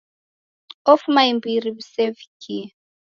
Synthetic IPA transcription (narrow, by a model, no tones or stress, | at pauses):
ɔfmaimbiɾiβisevikʰi